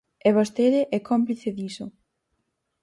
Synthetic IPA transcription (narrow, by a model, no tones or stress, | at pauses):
ɛβost̪eðɪʔɛkompliθeðiso